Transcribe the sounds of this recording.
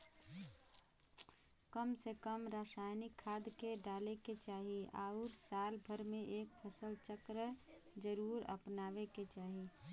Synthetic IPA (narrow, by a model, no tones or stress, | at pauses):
kəmsekəmɾaːsaːjnɪkʰːaːd̪keɖaːleket͡ʃaːɦia̰ːʊɾsaːlbʱəɾmẽʔeːk̚pʰəsəlt͡ʃəkɾə | d͡ʒəɾuːɾə̰pnaːʋeket͡ʃaːɦi